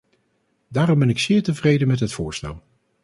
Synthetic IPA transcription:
daːrɔmbɛnɪksɪːɹtəvrejdənmɛtɦətfʊːɹstɛ̰lˠ

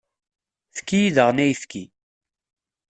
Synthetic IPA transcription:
θə̥kːijiðəʁnæjfki

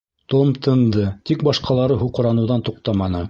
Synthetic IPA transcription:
t̪omt̪ɤ̆nd̪ɤt̪ikbɑʃqɑlˠɑɾɤɦuqɤ̆ɾɑnɤ̆wðɑnt̪uqt̪ɑmɑnɤ

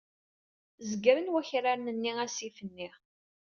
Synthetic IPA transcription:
zəɡəɾənwæçɾaɾnənːiæsifənːiʁ

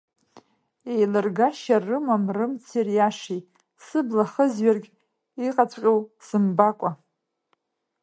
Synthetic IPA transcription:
ejlɨrɡaʃarɨmamrɨmt͡sʰirjaʂi | sɨblaχəzɥarɡʲ | iqʼat͡sʷʰʼqʲʼowsɨmbakʷʼa

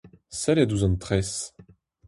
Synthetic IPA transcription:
sɛlɛd̪uzɔ̃nt̪χɛs

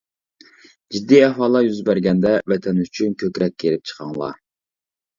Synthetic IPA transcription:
d͡ʒid̪ːiɛwɑːlˠɑjyzbæɾɡʲɛnd̪ɛvɛt̪ʰɛnyt͡ʃʰynkʲʰøkʲɾɛk̚ʲkːeɾɪp̚t͡ʃʰə̥qʰɑŋlˠɑ̰

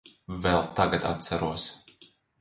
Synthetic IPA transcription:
vɛlˠt̪aɡat̪a̰t̪t̪sæɾuɔs

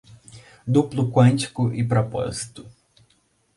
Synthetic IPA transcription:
d̪uplʊkwɐ̃nt͡ʃi̥kʊʔɪpɾɔpɔ̰zi̥t̪ʊ̥

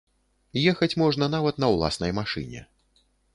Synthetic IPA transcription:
jɛxɐt͡sʲmɔʐnɐnavɐt̪nɐwlˠa̰snɐjmaʂɨ̰nʲɛ̰

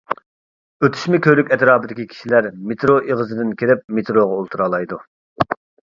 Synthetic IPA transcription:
øt̪ʰy̥ʃmɪkʲʰøɾykʲɛt̪ɾɑːbɨd̪ɪkʲikʲʰi̥ʃilæɾmet̪ʰɾoʔeʁəzɨd̪ɪnkʲʰeɾɪp̚met̪ɾoʁɑolˠt̪ʰuɾɑːlˠɑjd̪u

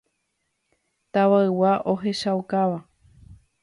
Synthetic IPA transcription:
t̪aʋaɨwaʔo̞ɦe̞ʃawkaʋa

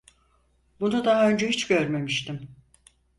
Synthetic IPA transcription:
bunud̪aɦaø̞nd͡ʒɛɦit͡ʃɟøɾme̞miʃt̪im

